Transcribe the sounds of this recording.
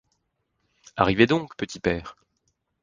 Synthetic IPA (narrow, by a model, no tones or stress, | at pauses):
a̰ʁived̪ɔ̃kpət̪ʰipɛːʁ